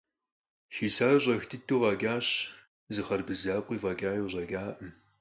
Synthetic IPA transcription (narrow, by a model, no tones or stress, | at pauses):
xiːsaːɕ̬ʼɐxtʰɨtʰːuːʁɐɡʲaːɕ | zɨχɐrbɨzaːqʷʼiːvɐɡʲaːjoːʑʼɐɡʲaːʔɨm